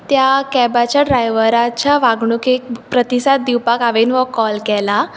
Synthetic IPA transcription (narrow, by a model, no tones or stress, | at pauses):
t̪jakɛbat͡ɕaɖɾajʋəɾat͡ɕjaʋaɡɳ̃uːkek̚pɾət̪isad̪̚d̪iwpakaʋenʋəkɔlkɛla